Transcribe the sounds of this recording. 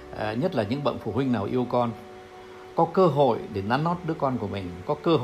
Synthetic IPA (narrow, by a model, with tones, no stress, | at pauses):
ɲə˦˥t̚laː˨˩ɲɨ̰˧˥ŋɓə̰˧˨nfu˧˩hwï˧ŋnaː˨˩wʔi˧əwkɔ˧n | kɔ˨˦kəː˧ɦo̰˧˨jɗe˧˩nːaː˨˦nːɔ˦˥t̚ɗɨ˨˦˥əkɔ˧nku˧˩əmï˨˩ŋ̟kɔ˨˦kəː˧ɦ